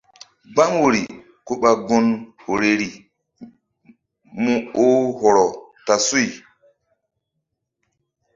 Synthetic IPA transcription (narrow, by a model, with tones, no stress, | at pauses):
ɡ͡ba˦ŋwo˨ɾi˨ | ko˦ɓa˨ɡo˦nho˨ɾe˨ɾi˨ | mũ˦o˦ho˨ɾɔ˨ | ta˨su˦j